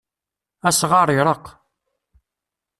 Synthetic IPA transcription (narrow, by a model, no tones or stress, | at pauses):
æsʁɑɾˤɪɾˤəq